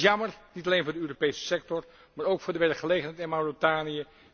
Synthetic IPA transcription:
jɑməɹnitɑlejnvʊːdəøːropejsə̥sɛk̚tɔɹ | maːɹowkfʊːɹdəʋɛɹkχəlejχənɦɛɪjtɪnmawrotaːnijə

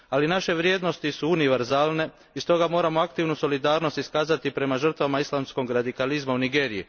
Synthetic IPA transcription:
alinaʃe̞ʋɾjed̪no̞st̪isuuniʋe̞ɾzaːlˠne̞ | ist̪o̞ɡamo̞ːɾamo̞akt̪iʋnuso̞lid̪aːɾno̞st̪iskaːzat̪ipɾe̞maʒər̩t̪ʋamaislˠamsko̞ɡɾad̪ikalizmauniɡe̞ːɾiji

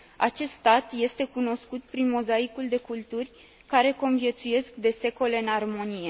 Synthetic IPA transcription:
at͡ʃe̞st̪st̪at̪je̞st̪e̞kuno̞skut̪̚pɾinmo̞zaikuld̪e̞kult̪urʲ | kaɾe̞ko̞nvije̞t̪suje̞skd̪e̞se̞ko̞le̞ɨnarmo̞nije̞

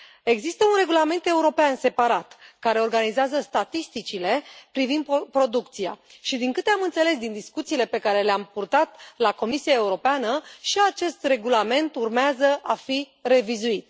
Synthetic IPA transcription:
e̞ɡzist̪əunre̞ɡulame̞nt̪e̞uɾo̞peanse̞paɾat̪kaɾe̞o̞rɡanizeazəst̪at̪ist̪it͡ʃile̞pɾivind̪̚pɾo̞d̪uk̚t̪sija̰ʃid̪iŋkɨt̪e̞amɨnt̪se̞le̞s̬d̪ind̪iskut̪siːle̞pe̞kaɾe̞leampurt̪at̪lako̞misiae̞uɾo̞peanəʃiat͡ʃe̞st̪re̞ɡulame̞nt̪urmeazəʔafi | re̞vizuit̪̚

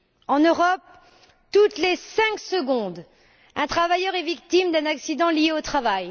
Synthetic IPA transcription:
ɑ̃nøʁɔp̚ | t̪ut̪lesɛ̃ksəɡɔ̃d̪ | ɛ̃t̪χavajœʁɛvik̚t̪imd̪ɛ̃naksid̪ɑ̃ljeot̪χavaj

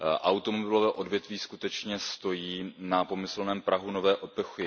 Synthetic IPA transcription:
ʔawt̪omobɪlovɛːʔo̞dvjɛt̪viːskut̪ɛt͡ʃɲɛst̪o̞jiːnapo̞mɪsl̩nɛːmpɾʔaɦunovɛːʔo̞pɛxɪ

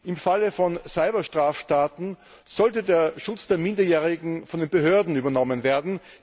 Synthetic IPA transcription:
ʔɪmfaləfɔnsaɪbɐʃtʁ̥aːfʃtaːtn̩ | z̥ɔltədeːɐʃʊt͡sd̥eːɐmɪndɐjeːʁɪɡŋ̩fɔndeːnbəɦøːɐdn̩yːbɐnɔmənveːɐdn̩

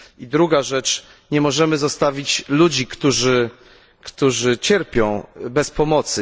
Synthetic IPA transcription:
id̪ɾuɡaʐɛt͡ʂ | ɲɛmɔʐɛmɘzɔst̪avʲit͡ɕlud͡ʑikt̪uʐɘ | kt̪uʐɘt͡ɕɛɾpʲjɔ̃w̃bɛspɔmɔt̪sɘ

